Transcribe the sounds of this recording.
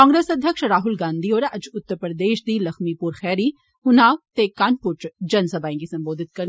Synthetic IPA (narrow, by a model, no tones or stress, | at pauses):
kãːŋɡɾeːsɐd̪ʱjəkʃɾaːɦʊlɡãːnd̪ioːɾʔɐd͡ʒʊt̪ːəɾpɾəd̪eːʃd̪iːlɐxmipuɾxɛːɾi | hʊnaːʋt̪ekanpʊʈd͡ʒɐnsɐbaːĩɡisɐ̃mboːd̪ʱɪt̪̚kɐɾ